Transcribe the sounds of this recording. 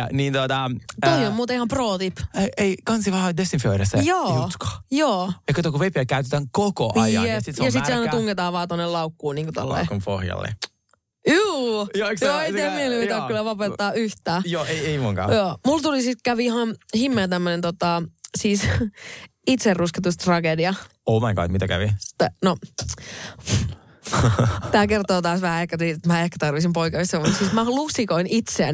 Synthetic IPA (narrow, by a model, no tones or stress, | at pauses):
niːnt̪ot̪ɑt̪ohjommuːt̪ɑihɑmproːt̪ipeʔeikɑnsiʋɑhɑd̪est̪ːifoiɾɑsjoːut̪ko̥joːekɑt̪okuʋepiækæyt̪et̪æŋkoko̰ʔɑjɑ̰esisjɑsit̪seɑinɑuŋɡet̪ɑːʋɑːt̪onːelɑukːuːniːŋkot̪o̰lːḛːkompo̰hjɑ̰lːḛ | juːjoksjoːeijt̪iæmieleiæylːæʋɑpet̪ːɑːyht̪æːjoeieimuŋkɑ̰ːjoːmult̪ulisit̪kæʋiihɑnhimːeːt̪æmːønent̪ot̪ɑsiːs | it̪serrusket̪ust̪rɑɡediɑomɑŋkɑ̰ikmit̪ækæ̰ʋi̥t̪ːeno | t̪æːkert̪oːt̪ɑːsʋæhæehkæt̪iːt̪et̪mæehkæ̥t̪ɑrʋisimpoikɑisseʋɑsiːsmæluksikoinit̪seæ